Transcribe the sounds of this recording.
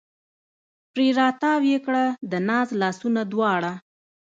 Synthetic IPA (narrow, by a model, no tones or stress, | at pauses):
pɾeɾɑt̪ɑwjekɽad̪ənɑzlɑsunad̪wɑɽa